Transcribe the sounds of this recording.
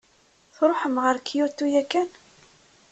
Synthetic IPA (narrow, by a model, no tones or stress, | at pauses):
θɾˤoħəmʁəɾkːijʊt̪ːujækːæn